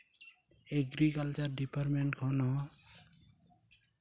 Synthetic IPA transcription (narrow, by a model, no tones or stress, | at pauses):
eɡɾikalt͡ʃəɾɖipaɾmeɳʈkʰɔnɔ